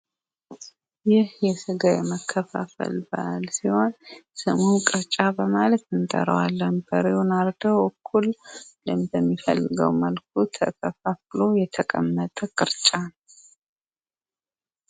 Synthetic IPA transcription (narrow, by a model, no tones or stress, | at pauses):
jɪhjɛsɨɡajɛməkʰːəfa̰fə̰lbəʔalsiho̞nsɨmumkʼɨɾt͡ʃʼabəmalət̪ɨnt̪ʼə̰ɾə̰walːənbəɾewunaɾd̪əwʔɔkʰːullɨmbəmːifə̰lːɨɡə̰wməlk̚ʰut̪ʰə̰kʰəfaflo̞jɛt̪ʰəkʼəmːət̪ʼəkʼɨɾt͡ʃʼa